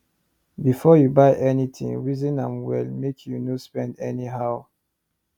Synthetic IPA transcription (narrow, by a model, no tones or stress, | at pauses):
bifɔjubajʔɛnitʰḭ̃ŋɹizĩnãmwɛ̰lmekʰjunospɛ̃ndɛniɦaʊ